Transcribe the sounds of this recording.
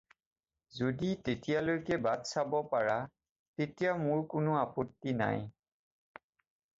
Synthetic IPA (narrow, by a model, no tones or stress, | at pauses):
zoditetijalojkɛbadsabɔpaɹa | tetijamʊɹkʊnʊapotːina̰j